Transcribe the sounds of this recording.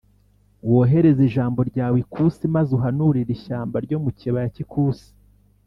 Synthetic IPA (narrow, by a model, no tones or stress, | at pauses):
woɦe̞ɾe̞ziʒaːmbo̞ɾɟaːwikʰuːsimazuɦanuɾiɾiʃaːmbaɾɟo̞muciβajacikʰuːsi̥